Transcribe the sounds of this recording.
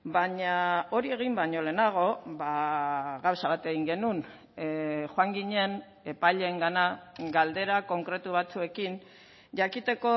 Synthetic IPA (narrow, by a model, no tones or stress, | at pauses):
baɲao̞ɾie̞ɣ̞imbaɲo̞le̞ːnaɣ̞o̞baɣawsaβat̪eɣiŋɡe̞nun | xoaŋɡiɲe̞n | e̞paʎe̞ːŋɡanaɡald̪e̞ɾako̞ŋkɾe̞t̪uβ̞at͡sue̞kin | ʝakit̪e̞ko̞